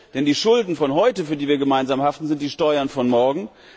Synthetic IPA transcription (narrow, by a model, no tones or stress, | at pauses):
d̥ɛndiːʃʊldn̩fɔnɦɔʏtəfyːɐdiːviːɐɡəmaɪnzaːmhaftn̩zɪntd̥iːʃtɔʏɐnfɔnmɔɐɡŋ̩